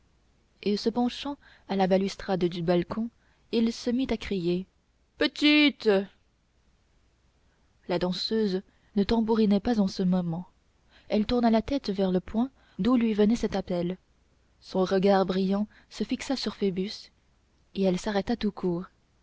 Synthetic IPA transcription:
esəpɑ̃ʃɑ̃ | alabalyst̪χad̪d̪ybalkʰɔ̃ | ilsəmit̪akχije | pət̪it̪ | lad̪ɑ̃søz | nət̪ɑ̃buʁinɛpazɑ̃səmɔmɑ̃ | ɛlt̪uʁnalat̪ɛt̪vɛʁləpwɛ̃ | d̪ulɥivənɛsɛt̪apɛl | sɔ̃ʁəɡaʁbʁijɑ̃ | səfiksasyʁfebys | eɛlsaʁɛt̪at̪ukʰuːʁ

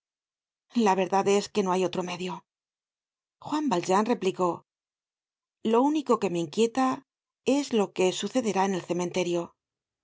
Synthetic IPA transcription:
laβ̞e̞ɾðaðe̞ske̞no̞ajo̞t̪ɾo̞me̞ðjo̞ | xwambalʝanre̞pliko̞ | lo̞uniko̞ke̞me̞iŋkje̞t̪a | e̞zlo̞ke̞suθe̞ðe̞ɾaene̞lθe̞mẽ̞nt̪e̞ɾjo̞

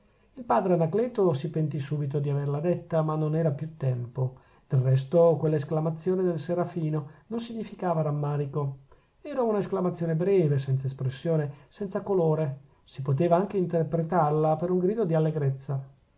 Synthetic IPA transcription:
ilpaːd̪ɾeanaklɛːt̪osipent̪isuːbit̪od̪iaverlad̪et̪ːamanːonɛːɾapjut̪ːɛmpo | d̪̥elrɛs̬t̪okwelːaesklamat̪sːjoːned̪elseɾafiːnonons̬iɲːifikaːvaɾamːaːɾiko | ɛːɾaunaesklamat̪sːjoːnebɾɛːves̬ɛnt̪saespɾesːjoːnesɛnsakoloːɾe | sipot̪̬eːvaaŋk̟eint̪erpɾet̪arlapeɾuŋɡɾiːd̪od̪ialːeɡɾet̪sːa

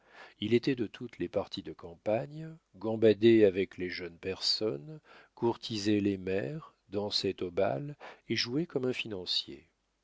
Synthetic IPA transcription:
ilet̪ɛd̪ət̪ʰut̪lepaʁt̪ʰid̪əkɑ̃paɲ | ɡɑ̃bad̪eavɛkleʒœnpɛʁsɔnkuʁt̪ʰizelemɛʁ | d̪ɑ̃set̪oba̰leʒuekɔmɛ̃finɑ̃sjḛ

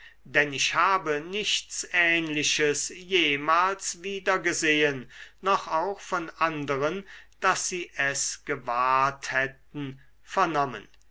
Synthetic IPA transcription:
d̥ɛnɪʃhaːbənɪçtt͡sʔɛːnlɪʃəsjeːmaːlsviːdɐɡəzeːənːɔχaʊxfɔnʔandəʁənd̥asz̥iːʔɛsɡ̥əvaːthɛt̚n̩ | fɛɐnɔmə̰n

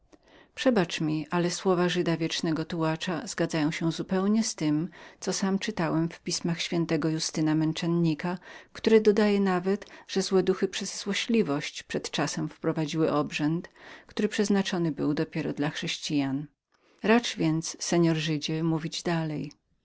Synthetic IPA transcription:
pʂɛbat͡ʂmʲiʔalɛswɔvaʐɘd̪avʲjɛt͡ʂnɛɡɔt̪uwat͡ʂaz̥ɡad̪zajɔ̃w̃ɕɛzupɛwɲɛst̪ɘmt̪ɔsamt͡ʂɘt̪awɛmfpʲismaxɕfʲjɛnt̪ɛɡɔjust̪ɘnamɛnt͡ʂɛnɲikakt̪uɾɛd̪ɔd̪ajɛnavɛt̪ʐ̥ɛzwɛd̪uxɘpʂɛzːwɔɕlʲivɔɕt͡ɕpʂɛt̪t͡ʂasɛmfpɾɔvad͡ʑiwɘʔɔbʐɛnt̪kt̪uɾɘpʂɛznat͡ʂɔnɘbɘwd̪ɔpʲjɛɾɔ̰d̪laxʂɛɕt͡ɕijan | ɾat͡ʂvʲjɛnt̪ssɛɲɔɾʐɘd͡ʑɛmuvʲid͡ʑd̪alɛj

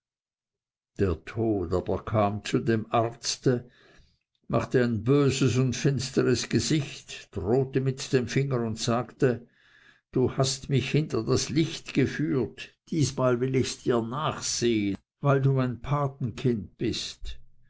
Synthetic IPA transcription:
d̥eːɐtʰoːtaːb̥ɐkʰaːmt͡sudemaʁt͡stə | ma̰χtəaɪnbøːzəsʊntfɪnstəʁəsɡ̥əzɪçtd̥ʁoːtəmɪtd̥emfɪŋəɾʊntsaːktə | d̥uːhastmɪçhɪntɐdaslɪçtɡ̥əfyːɐtd̥iːsmaːlvɪlɪçsd̥iːɐnaːχseːən | vaɪlduːmaɪnpʰaːtn̩kʰɪnt̚b̥ɪst

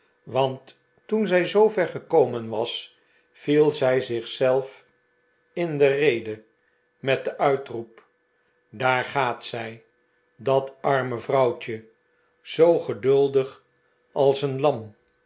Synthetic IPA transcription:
ʋɑntː | unzɛjzowvɛɹχəkowmənʋɑs | filˠzɛjzɪχsɛlˠf | ɪndərejdə | mɛt̚dəʔœɥtrup | daːɹχaːtsɛj | dɑtɑɹməvrɑwt͡ʃə | z̥owχədɵlˠdəχ | ɑlˠsənlɑm

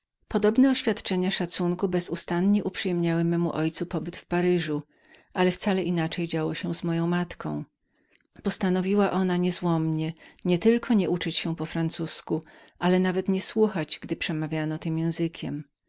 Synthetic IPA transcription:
pɔd̪ɔbnɛɔɕfʲjat̪t͡ʂɛɲaʂat̪suŋkubɛzust̪anɲɛʔupʂɨjɛmɲawɘmɛmuʔɔjt̪supɔbɘt̪fpaɾɘʐu | ʔalɛft̪salɛʔinat͡ʂɛjd͡ʑawɔɕɛ̃zmɔjɔ̃w̃mat̪kɔ̃w̃ | pɔst̪anɔvʲiwaʔɔnaɲɛzwɔmɲɛɲɛt̪ɘlkʰɔɲɛʔut͡ʂɪt͡ɕɕɛpɔfɾant̪susku | ʔalɛnavɛt̪ɲɛswuxad͡ʑɡd̪ɘpʂɛmavʲjanɔt̪ɘmjɛ̃w̃zɘkʲʰɛm

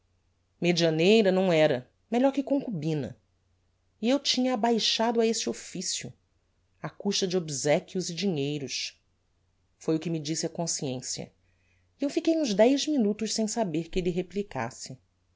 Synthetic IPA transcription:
med͡ʒiɐnejɾɐnɐ̃w̃ɛɾɐ | meʎɔɾkɪkõkubĩnɐ̰ | iewt͡ʃĩɲɐːbajʃad̪ʊaesɪofisjʊ̰ | akuʃt̪ɐd͡ʒɪobizɛkʲjʊzɪd͡ʒiɲejɾʊʃ | fojʊkɪmɪd͡ʒisɪɐkõsiẽsjɐ̰ | ewfikejũʒd̪ɛjzminut̪ʊʃsẽj̃sabeɾkɪelɪɦeplika̰sɪ

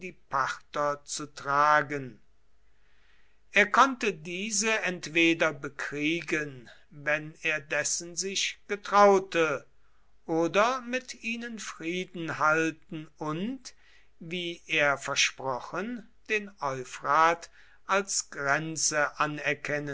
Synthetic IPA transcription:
d̥iːpʰaχtɐt͡sutʁ̥aːɡən | ʔeːɐkʰɔntədiːzəɛntv̥eːdɐbəkʁ̥iːɡən | vɛneːɐdɛsn̩zɪʃɡ̥ətʁ̥aʊtə | ʔoːdɐmɪtiːnənfʁiːdn̩haltn̩ʊnt | viːʔeːɐfɛɐʃpʁɔχən | d̥eːnɔʏfʁaːt | ʔalsɡ̥ʁɛnt͡səʔanɛɐkʰɛnə

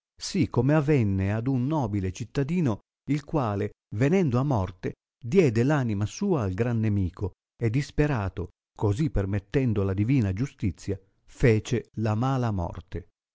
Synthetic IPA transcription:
sikʰːomeavɛnːead̪unːɔːbilet͡ʃit̪ːad̪iːno | ilkwaːle | venɛnd̪oamːɔrt̪e | d̪jɛːd̪elaːnimasuːaːlɡɾanːemiːkʰo | ed̪ːispeɾaːt̪o | kozipːermet̪ːɛnd̪olad̪iviːnad͡ʒust̪it̪sːja | feːt͡ʃelamaːlamɔ̰rt̪e

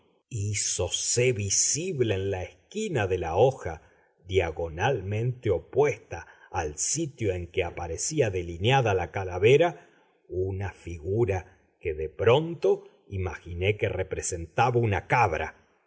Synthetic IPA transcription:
isoseβisiβleːnlaeskinaðelaoxa | ðjaɣo̞nalmẽ̞nt̪eo̞pwest̪aː | lsit̪jo̞eŋkeapaɾesiaðe̞linjaðalakalaβeɾa | unafiɣuɾa | keðepɾont̪o | ima̰xine̞kerepɾese̞nt̪aβaunakaβɾa̰

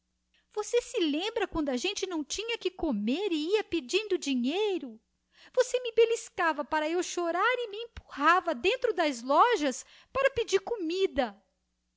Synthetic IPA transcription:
v̥osesɪlẽmbɾɐkwɐ̃nd̪ʊɐʒẽnt͡ʃɪnɐ̃w̃t͡ʃĩɲɐkɪkomeɾɪiɐped͡ʒĩnd̪ʊd͡ʒiɲejɾʊ | vosemɪbeliskavɐpaɾɐewʃoɾaɾɪmɪẽmpu̥havɐd̪ẽnt̪ɾʊd̪ɐzlɔʒɐs | paɾɐped͡ʒiɾkomid̪ɐ

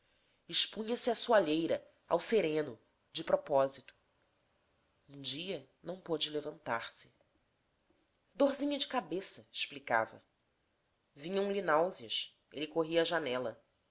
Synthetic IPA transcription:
iʃpũɲɐsiasuaʎejɾɐ | a̰wseɾẽnʊ | d͡ʒɪpɾɔpɔzit̪ʊ̥ | ũd͡ʒiɐnɐ̃w̃pod͡ʒɪlevɐ̃nt̪aɾsɪ̥ | d̪ozĩɲɐd͡ʒɪkabesɐɪ̥ʃplika̰vɐ̰ | vĩɲɐ̃w̃linawziɐʃ | ḛlikoɦiɐːʒanɛlɐ

